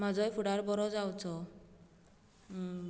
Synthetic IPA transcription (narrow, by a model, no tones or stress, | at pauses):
mad͡zɔjfʰuɽaɾbɔɾɔd͡zawt͡ʃʰɔ